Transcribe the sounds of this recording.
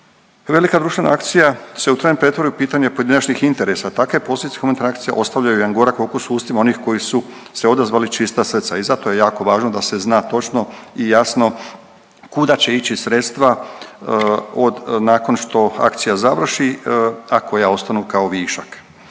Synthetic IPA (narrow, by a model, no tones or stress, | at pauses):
ʋe̞likad̪ɾuʃt̪ʋe̞na̰akt̪sijase̞ut̪ɾajnmpɾe̞t̪ʋoɾajupiːt̪aɲepo̞jed̪inat͡ʃnixint̪e̞ɾesat̪akʋe̞posod̪it̪exument̪anakt̪sija̰ʔo̞st̪aʋvʎajujeanɡo̞ɾakfoːkusuːst̪imao̞nixko̞jisu | se̞o̞d̪azʋaːlit͡ʃist̪asr̩t̪saizat̪o̞je̞jaːko̞ʋaːʒno̞d̪ase̞znaːt̪o̞t͡ʃno̞ijasno̞ | kud̪at͡ɕe̞it͡ɕisɾe̞t̪st̪ʋa | od̪naːko̞nʃt̪o̞a̰kt̪sijazaʋr̩ʃiako̞jao̞st̪anukao̞ʋiːʃak